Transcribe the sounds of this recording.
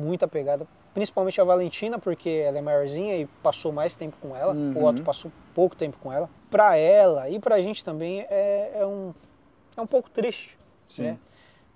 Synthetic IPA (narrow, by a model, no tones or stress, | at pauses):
mũj̃t̪ɐpeɡad̪ɐ | pɾĩsi̥pawmẽnt͡ʃɪɐvalẽnt͡ʃĩnɐpoɾkʰeɛlɛmaɾizĩɲɐɪpasowmajst̪ẽmpʊ̥kõɛlɐʊɡɔt̪ʊpasow | powkʊ̥t̪ẽmpʊ̥kõɛlɐ | pɾɐɛlɐɪpɾɐʒẽnt͡ʃɪ̥t̪ɐ̃mbẽj̃ɛɛũ | ɛũpowkʊ̥t̪ɾist͡ʃɪ̥ | snɛ